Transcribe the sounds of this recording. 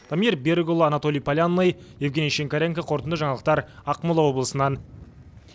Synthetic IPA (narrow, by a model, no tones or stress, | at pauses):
d̪̥ʰamijrbʲeɾɡolˠanat̪o̞lʲijpʰalʲanːəjje̞vɡʲe̞nijʃeŋkʲaɾʲeŋkaqʰo̞ɾt̪ənd̪əʒɑɴɑlˠəq̚t̪ɑɾɑqmulˠɑwo̞blˠəsənɑn